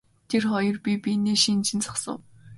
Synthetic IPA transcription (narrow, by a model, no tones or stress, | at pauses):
t̪ʰerχɔjɞ̆rpʲipʲineːʃint͡ɕʰĭnt͡sʰḁχsə̰̆w